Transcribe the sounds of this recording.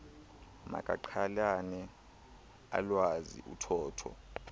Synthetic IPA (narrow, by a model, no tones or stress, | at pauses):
ma̰kʼaǃʰalanɛ | a̰lwazḭʔutʰɔːtʰɔ̰